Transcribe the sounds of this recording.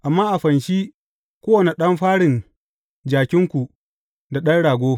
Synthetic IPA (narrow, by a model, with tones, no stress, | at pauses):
ʔa˨mːaː˦ʔa˨ɸɐ˨nʃi˦ | kʷoː˦wɐ˨ne˨ɗɐ˦mɸaː˦ɽɪ˨n | d͡ʒaː˨kʲɪ˦ŋkʷu˨ | da˨ɗɐ˦nɽaː˨ɡʷoː˦